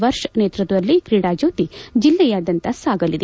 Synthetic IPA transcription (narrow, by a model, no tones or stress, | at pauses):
ʋɐɾʂɐneːt̪ɾɐt̪ɐʋɐlːikɾiːɽaːd͡ʒoːt̪id͡ʒilːɛjaːd̪ɐnt̪ɐsaːɡɐlid̪e